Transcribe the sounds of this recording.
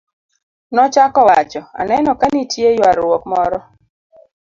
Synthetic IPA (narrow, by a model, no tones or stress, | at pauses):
nɔt͡ʃakɔwat͡ʃɔa̰nɛnɔkanitʰjejwaɾwɔkmɔɾɔ